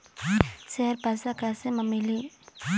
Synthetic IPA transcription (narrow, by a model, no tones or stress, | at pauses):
sɛarb̥a̤saɡ̥aseməmili